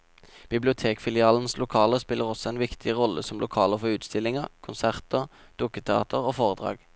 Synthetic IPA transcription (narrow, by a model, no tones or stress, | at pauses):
b̥ɪblɪʊt̪ʰeːkfɪlɪɑːln̩slʊkʰɑːləʁspɪlːəʁɔsɔɛːnʋɪkt̪ʰɪʁɔləsɔmlʔʊkʰɑːləʁfɔʁʉːt̪st̪ɪlːɪŋəʁkʰʊnsæʁt̪əʁ | d̪̥ukət̪ʰɛɑ̰ːt̪ʰəʁoːfoːʁəd̪ʁɑ̰ːɡ